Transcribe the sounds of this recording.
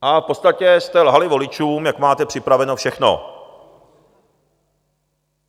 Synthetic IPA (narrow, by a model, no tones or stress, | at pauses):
ʔafpot͡st̪acɛst̪ɛlɦalɪvo̞lɪt͡ʃuːmjakmaːt̪ɛpr̥ɪpɾavɛnofʃɛxno̰